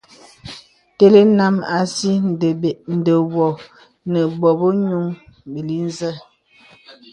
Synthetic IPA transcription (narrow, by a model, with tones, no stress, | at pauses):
te˦le˦na˦ma˨si˦n˨də˨be˨ʔn̩˨də˨wɔ˨ | nə˨bɔ˨bo˦ɲu˦ŋbə˨li˦n˦zə˦